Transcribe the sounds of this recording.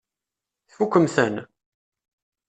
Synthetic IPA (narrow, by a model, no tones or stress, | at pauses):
θfukʷːəmθən